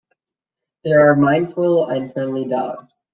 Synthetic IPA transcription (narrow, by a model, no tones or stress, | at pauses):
ðə˞ːmãɪ̃nd̥fʊlˠə̃nfɜ̃˞mlidaʊtz̥